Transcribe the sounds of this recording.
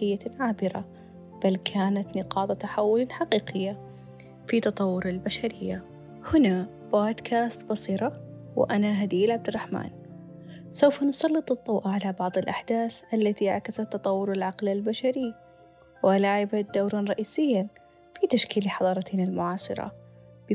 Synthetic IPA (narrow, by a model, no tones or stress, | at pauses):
ɪjːaʕaːbɪɾa̰ | b̥alkʰaːnat̪nɪqɑːt̪ˤɑt̪aħawːʊlanħaqiːqɪjːa | fit̪ɑt̪ˤɑwːʊɾalbaʃaɾɪjːa | hʊna | b̥oːd̪kʰaːst̪bɑsˤiːɾɑ | w̰ʔanaɦad̪iːlʕab̚d̪ɪrˤːɑħma̰ːn | sawfansˤɑlːɨt̪ˤɨðˤːɑwʔaʕalabɑʕðˤɨlʔaħd̪aːθʔalːat̪iʔaʕkasat̪ːɑt̪ˤɑwːʊɾalʕɑqlalbaʃaɾiː | wlaːʕɪbad̪awɾˤɑnɾˤɑʔiːsɪjːan | fit̪aʃkiːlħɑðˤɑːɾˤɑt̪inalmʊʕɑːsˤɨ̰ɾˤɑ̰ | b